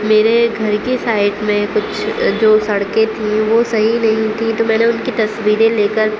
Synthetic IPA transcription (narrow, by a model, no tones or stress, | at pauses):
meːɾeɡʱɐɾkisaːɪʈmẽkʊt͡ʃʰd͡ʒoːsɐɽket̪ʰĩʋosɐɦinɐɦĩt̪ʰĩt̪omɛ̃ːneʊnkit̪ɐswiːɾẽleːkəɾ